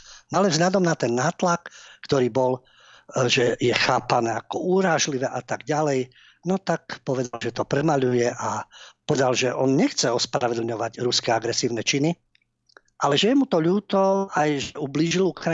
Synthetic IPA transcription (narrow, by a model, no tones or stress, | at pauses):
nalɛvzɦʎad̪ɔmnat̪ɛnːaːt̪lakːt̪ɔɾiːbɔl | ʒɛjɛxaːpanɛːakɔuːɾaːʒliʋɛʔat̪aɡɟalɛj | nɔt̪akpɔʋɛd̪alʒɛt̪ɔpɾɛmaʎujɛʔapɔd̪alʒɛʔɔnɲɛxt͡sɛɔspɾaʋɛd̪l̩ɲɔʋaɟɾuskɛaɡɾɛsiːʊnɛt͡ʃini | ʔalɛʒɛjɛmut̪ɔʎuːt̪ɔajʒɛubliːʒilukɾa